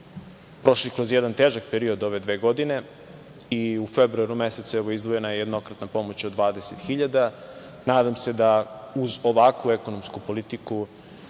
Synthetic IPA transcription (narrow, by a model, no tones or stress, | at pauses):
pɾo̞ʃlikɾo̞zjed̪ant̪eːʒak̚peɾiod̪o̞ʋe̞d̪ʋeːɡo̞d̪ine̞ | iufebɾuaɾumeset̪suɛʋo̞izd̪ʋoje̞najejed̪no̞kɾat̪napo̞mot͡ɕod̪ʋaːd̪eset̪xiʎad̪a | naːd̪amse̞d̪auzo̞ʋakʋueko̞nomskupo̞lit̪iku